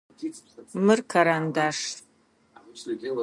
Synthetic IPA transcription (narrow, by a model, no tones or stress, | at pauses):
mɨrkʰaɾandaːʂ